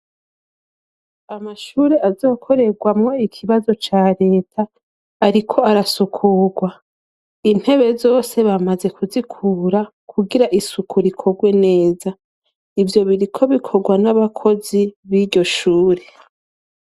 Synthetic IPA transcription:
amaʃuːɾe̞ʔazo̞ːkʰo̞ɾe̞ɡwamŋo̞ikʰiβazo̞t͡ʃaːɾe̞ːtʰaː | ɾikʰo̞aɾasukʰuːɡwa | in̥he̞βe̞zo̞ːse̞βamaze̞kuzikʰuːɾa | kʰuɡiɾaʔisukuɾikʰo̞ɡwe̞ne̞ːza | ivjo̞βiɾikʰo̞βikʰo̞ɡwanaβakʰo̞ziβiɟo̞ʃuːɾe̞

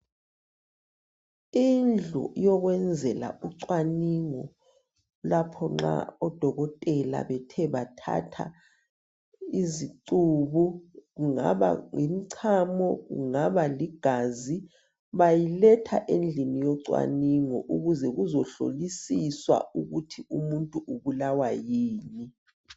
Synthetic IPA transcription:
ind͡ɮʱɔ̰jɔɣwɛnd͡zʱɛla̰uǀwaniŋɔ | lapʰɔŋ͡ǁa̰ɔd̥ʱɔɣɔtʼɛla̰βɛtʰɛβatʰa̰tʰa | iziǀuβuɣuŋa̰βa̰ŋim̩ǀʰamɔɣṵŋaβaliɡ̥ʱazi | βajilɛtʰa̰ʔend͡ɮʱinijɔǀwa̰niŋɔ̰ʔuɣuzɛɣuzɔɬo̰lisiswa̰uɣutʰiumuntʼuʔuβulawajiːni

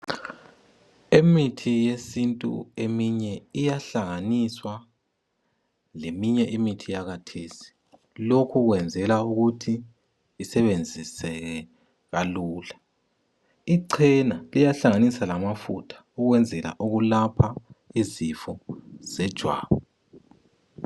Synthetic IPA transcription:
emitʰijesintʼṵemiɲɛijaɬaŋaniswa | lemiɲɛʔimitʰijaɣatʰeːsi̥ | lokʰuɣwɛnd͡zʱɛlauɣutʰiː | sɛβend͡zʱisɛɣɛ | ɣaluːla | iǀʰɛnalijaɬaŋanisalamafutʰḁuɣwɛnd͡zʱɛla̰ʔuɣulapʰaizifɔz̥ɛd̥ʒ̥ʱwa̰ːβɔ

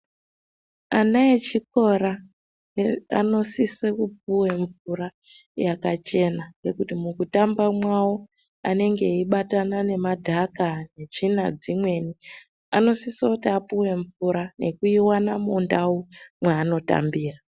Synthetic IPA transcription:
anaet͡ʃiko̞ɾa | a̰no̞sisekup̚uwe̞ɱvuɾa | jakat͡ʃe̞naŋɡe̞kutimukutambamwawo | a̰ne̞ŋɡe̞iɓatanane̞madʱakane̞ʐina̰d͡zimwe̞ni | a̰no̞sisotiapuwe̞ɱvuɾane̞kuiwanamundawumwaːno̞ta̰mbiːra

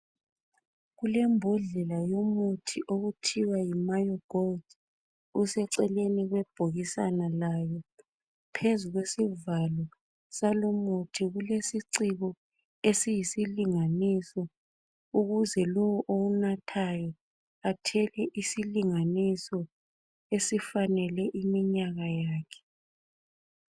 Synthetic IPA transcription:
ɣulɛmbʱɔɮɛlajomutʰiʔoɣutʰiwajimajɔɡ̥ɔld | usɛǀɛleniɣwɛb̥ʱoɣisa̰nalajɔ | pʰezuɣwesivalɔ | salomutʰiɣulesiǀiɣɔ | esijisiliŋanisɔ | uɣuzɛlɔwɔʔounatʰajɔ | atʰɛlɛʔisiliŋanisɔ | esifanɛlɛʔimiɲaɣajaːkʰɛ̥

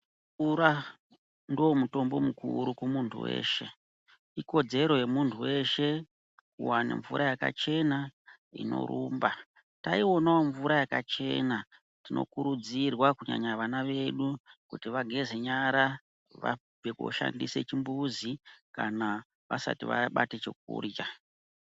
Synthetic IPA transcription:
uɾa | ndomuto̞mbo̞mukʰuɾukumuntʰṵwe̞̰ːʃe̞ | iko̞d͡ze̞ɾo̞je̞muntʰuwe̞ʃe̞ | kuwanḛɱvuɾʔajaka̰t͡ʃe̞na | ḭno̞̰ɾʔuːmba | taio̞naoɱvuɾajakat͡ʃe̞na | tino̞̰kuɾud͡zirwakuɲa̰ɲaʋanaʋe̞ɗukutiʋaɡʱe̞zeɲaɾa | ʋa̰ | veko̰ʃa̰ndise̞̰t͡ʃimbuzikana | ʋa̰sa̰tiʋaɓatet͡ʃek̚ṵːrja

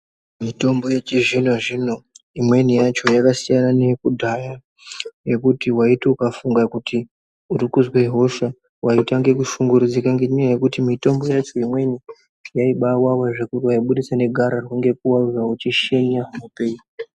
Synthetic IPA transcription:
mito̞mbo̞jet͡ʃiʐino̞ʐino̞imwe̞nijat͡ʃo̞jakasijanane̞kudʱaja | je̞kutiwaitiukafuŋɡakutʰi | uɾikuzweɦo̞ʃa | wʔaitaŋɡe̞kuʃuŋɡuɾud͡zikaŋɡeɲiajekutimito̞mbo̞jat͡ʃo̞imwe̞ni | jaiɓawawaʐekuriwaiɓuɗisane̞ɡʱaɾarwuŋɡe̞k̚uwauzaut͡ʃiʃe̞ɲamupe̞ːi

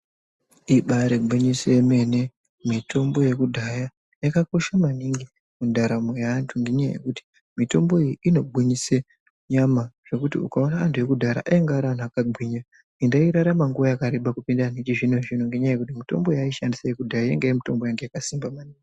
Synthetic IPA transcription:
iɓaɾebʱiɲiseeme̞ne | mitʰo̞mbo̞je̞kudʱaja | jakako̞ʃamaniŋɡi | mundʱaɾamejantʰuŋɡe̞ɲaja̰je̞̰kuti̥ | mito̞mbo̞ijiino̞bʱiɲise | ɲamaʐ̥e̞kutḭukaonaːntʰuje̞kudʱaɾa̰ʔaeŋɡeːɾaan̤uakaɡ͡bʱwiɲa | indaiɾaɾamaŋɡuʋajakaɾiɓakupindanit͡ʃiʐinoʐinoŋɡe̞ɲajaje̞kutimito̞̰mbo̞jaiʃandisajekudʱajajḛŋɡeemito̞mbo̞jaŋɡe̞jakasimbamaniːŋɡi

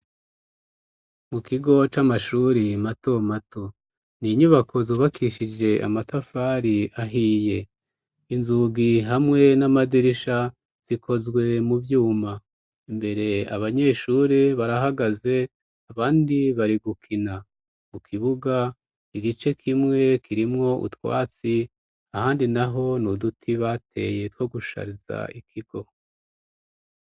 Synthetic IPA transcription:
mukiɡo̞t͡ʃamaʃuːɾimato̞mato̞ | niɲuβakʰo̞zuːβakʰiʃid͡ʒe̞ʔa̰matafaɾiaɦiːje̞ | inzuɡiɦamŋe̞namadiɾiʃa | z̥ikʰo̞zɡwe̞mubjuːma | imbe̞ɾe̞a̰βaɲe̞ːʃuɾiβaɾaɦaɡaze̞ | aβaːndiβaɾiɡukʰina | mukʰiβuɡa | iɡit͡ʃe̞kʰimŋe̞kʰiɾimŋo̞ʔṵtwa̰ːt͡si | ahaːndinaɦo̞nudutʰiβatʰe̞je̞two̞ɡuʃa̰ɾiza̰ikʰiɡ̥o̞

